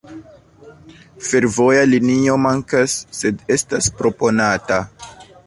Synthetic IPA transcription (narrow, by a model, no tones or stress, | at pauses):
fe̞ɾvo̞jalinio̞maŋkasːe̞de̞staspɾo̞po̞nata